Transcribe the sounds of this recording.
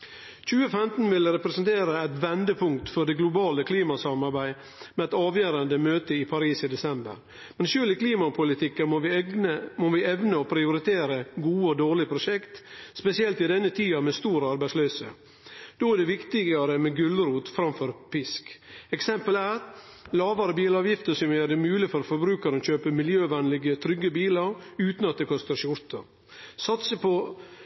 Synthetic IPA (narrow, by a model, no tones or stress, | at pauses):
c͡çʉːəfɛmt̪n̩ʋɪlɾɛpɾɛsənt̪ʰeːɾəɛt̪ʋɛnd̪əpʰʊŋkt̪fɔɖ̪ɛɡlʊbɑːləkʰliːmɑsɑmɑɾbæɪ | mɛɛt̪ɑːʋjøːɾənd̪əmøːt̪əɪpʰɑɾiːsiːd̪ɛsɛmbə̰ɾ | mɛnʃøːlɪkliːmɑpʰʊlɪt̪ʰɪkːənmoʋɪəmoːʋɪɛʋnəɔpʰɾɪʊɾɪt̪ʰeːɾəɡuːəɔd̪oːɭɪpʰɾʊʂɛkt̪spɛsɪɛlt̪ɪd̪ɛnːət̪ʰiːɑmɛst̪uːɾəɑɾbæɪtslœːsə̰ | d̪̥oːæd̪ɛʋɪkt̪ɪɡɑɾəmɛɡʉlɾuːt̪fɾɑmfɔɾpɪskɛksɛmpəlæɾ | lɑːʋɑɾəbiːlɑːʋjɪft̪əʂɔmøːd̪ɛmʉːlɪfɔɾofɔɾbɾʉːkɑɾəɔɕøːpəmɪljøːʋɛnlɪɡət̪ʰɾʏɡːəbiːlɑɾʉːt̪nɑt̪̚d̪ɛkʰɔst̪əɾʃʊɾt̪əɾ | sɑt̪səpɔ